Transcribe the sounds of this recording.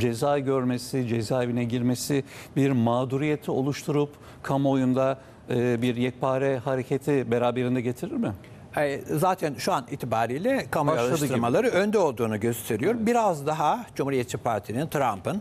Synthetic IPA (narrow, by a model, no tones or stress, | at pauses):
d͡ʒe̞zaːɟøɾme̞sid͡ʒe̞zaːevinɛɟiɾme̞sɪbiɾmaːd̪uɾijet̪ʰio̞lˠuʃt̪ʰuɾup | kʰamo̞jund̪a | ɯːbiɾjɛc̚pʰaːɾɛhaɾecʰet̪ʰibeɾaːbe̞ɾind̪ɛɟe̞t̪ʰiɾiɾmɪ | ɛzaːt̪ʰænʃuanḭːt̪ʰibaːɾiːlʲɛkʰamɾɯt̪ˠɯɾmalˠaɾɯønd̪ɛo̞lˠd̪uːnuɟøst̪ʰe̞ɾijo̞ɾmbiɾazd̪aɦad͡ʒumhuɾijɛt̪ːt͡ʃːipʰaɾt̪ʰinint̪ʰɾampɯn